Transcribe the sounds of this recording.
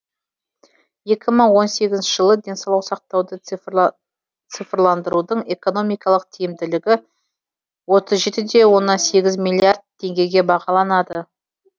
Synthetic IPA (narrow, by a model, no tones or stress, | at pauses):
je̞kʲɪməɴwo̞nse̞ɡʲɪznʃɪʒəlˠəd̪e̞nsɑwlˠɑwsɑq̚t̪ɑwd̪ə | t̪sɨjfrlˠɑnd̪əɾud̪əɴe̞ko̞no̞mijkɑlˠəq̚t̪ʰijɪmd̪ɪlɪɡʲɪ | wo̞t̪əzʒe̞t̪ɪd̪e̞wo̞nːɑnse̞ɡʲɪzmʲilʲˠijiard̪̚t̪ʲʰːe̞ŋɡʲe̞ɡʲe̞bɑʁɑlˠɑnɑd̪ə